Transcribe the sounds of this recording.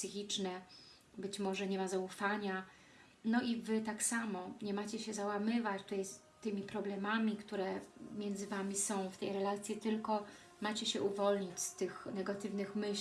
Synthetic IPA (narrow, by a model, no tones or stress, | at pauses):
sɘxʲit͡ʂnɛ | bɘt͡ɕmɔʐɛɲɛmazaufaɲa | nɔʔivɘt̪aksamɔɲɛmat͡ɕɛɕɛzawamɘvat͡ɕt̪ut̪ajs | t̪ɘmʲipɾɔblɛmamʲikt̪uɾɛmʲjɛnd̪zɘvamʲisɔ̃w̃ft̪ɛjɾɛlat̪sʲjit̪ɘlkɔ | mat͡ɕɛɕɛʔuvɔlɲit͡ɕst̪ɘxnɛɡat̪ɘvnɘxmɘɕ